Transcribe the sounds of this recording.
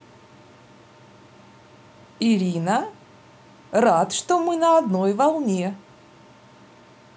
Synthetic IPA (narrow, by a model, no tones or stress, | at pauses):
ɪɾʲinə | rat̪ʂt̪omɨnəɐd̪nojvɐlˠnʲe